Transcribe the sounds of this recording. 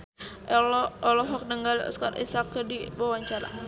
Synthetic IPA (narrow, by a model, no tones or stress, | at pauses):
ɔlɔɦɔk̚nəŋɡaliɔ̰skaɾḭsakədiwawaɲt͡ʃaɾa̰